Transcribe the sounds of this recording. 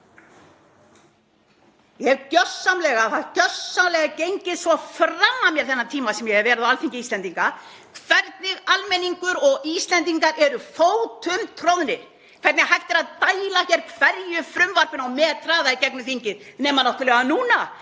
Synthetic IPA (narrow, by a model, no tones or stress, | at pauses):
jɛɣcœsːamlɛɣaat̪cœsːamlɛɣacejɲcɪsvɔframːamjɛɾ̥θɛnːat̪ʰiːmasɛmjɛɣɛvvɛːɾɪðawalfiɲcɪiːst̪lɛnt̪iŋka | kʰvɛɾt̪nɪɣalmɛniŋkʏɾɔɣiːst̪lɛnt̪iŋkaɾʔɛɾʏfoːwt̪ʰʏmt̪ʰɾowðnɪɾ̥ | kʰvɛɾt̪nɪɦajft̪ɪɾaðt̪aːjlaçɛɾkʰvɛɾjʏfɾʏmvaɾpɪnawmɛːðt̪ʰɾaːðaicɛk̚nʏθiɲcɪðnɛːmanaht̪ʏlɛɣanuːna